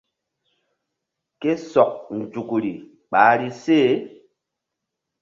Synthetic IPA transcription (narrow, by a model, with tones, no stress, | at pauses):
ke˦sɔ˨k̚n̩˨d͡ʒu˨ku˨ɾi˨ | ɓa˨˦ɾi˦seː˦